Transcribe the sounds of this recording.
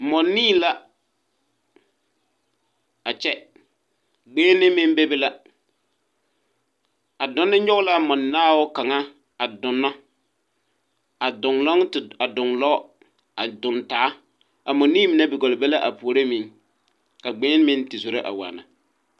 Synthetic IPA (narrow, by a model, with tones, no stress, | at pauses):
mɔ˨nːiː˦la˦ | a˨t͡ʃɛ˦ | ɡ͡beː˦nːɪ˦mɪ˦n˦be˦bɪ˦la˦ | a˨dɔ˦nːɪ˦ɲɔ˦ɣla˦mɔ˨nːaː˦wʊ˦ka˨ŋa˦ | a˨dʊ˨nːa˦ | a˨dʊ˨ŋlɔ˦ŋ˨a˨dʊ˨ŋlɔ˦ | a˨dʊ˨nta˨˦ | a˨mɔ˨nːiː˦mɪ˨nɛ˦bɪ˨ɡɔ˨lɪ˨be˦la˦ʔa˨pu˨ɾe˦mɪ˨ŋ | ka˨ɡ͡bɛː˦n˦mɪ˦ntɪ˨so˨ɾe˦ʔa̰˨wa̰ː˨na̰˨